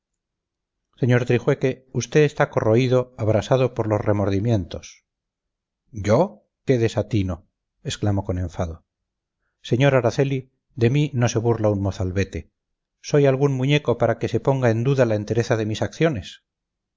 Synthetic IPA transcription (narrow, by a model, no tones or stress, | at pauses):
se̞ɲo̞ɾt̪ɾixwe̞ke̞ust̪e̞ðest̪ako̞ro̞iðo̞aβɾasaðo̞po̞ɾlo̞sre̞mo̞ɾðimjẽ̞nt̪o̞s | ɟ͡ʝo̞ | ke̞ðe̞sat̪ino̞ | e̞sklamo̞konẽ̞ɱfaðo̞ | se̞ɲo̞ɾaɾaθe̞li | d̪e̞mino̞se̞βurlaunmo̞θalβe̞t̪e̞ | so̞jalɣunmuɲeko̞paɾake̞se̞po̞ŋɡae̞nd̪uðalaent̪e̞ɾe̞θaðe̞misakθjo̞ne̞s